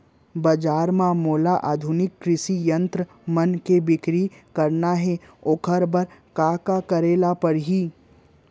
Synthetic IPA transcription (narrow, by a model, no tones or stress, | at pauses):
bɐd͡ʒaːɾmãmoːlaʔaːd̪ʱʊnɪkːɾɪʃijə̃nt̪ɾə | mɐnkebɪkɾikɐɾnaɦɛ | oːkʰəɾbɐɾkaːkakɐɾeːlapɐɽɦiː